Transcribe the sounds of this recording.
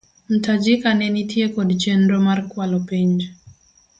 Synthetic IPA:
m̩tad͡ʒikanɛnitjekɔdd͡ʒenɾomarkwalɔpiɲd͡ʒ

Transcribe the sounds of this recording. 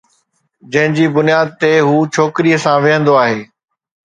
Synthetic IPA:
d͡ʑɐ̃ɦɪ̃ɲd͡ʑiːbʊnijaːd̪̚t̪eɦuːt͡ɕʰoːkɪɾiəsãʋɪɦə̃nd̪oaːɦeː

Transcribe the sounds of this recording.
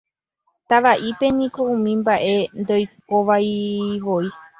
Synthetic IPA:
t̪aʋaʔipe̞nĩko̞ũmĩmbaʔe̞nd̪o̞jk̚oʋajʋoi

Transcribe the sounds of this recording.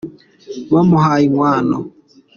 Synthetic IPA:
mɔmʊɦaiŋʷaːnɔ̰

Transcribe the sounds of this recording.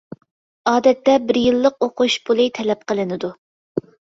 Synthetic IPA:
ɑːd̪ɛt̪ːɛbɪɾjɨlˠːəqoqʰuʃbulˠɨt̪ʰɛlɛp̚qəlˠɨnɪd̪u

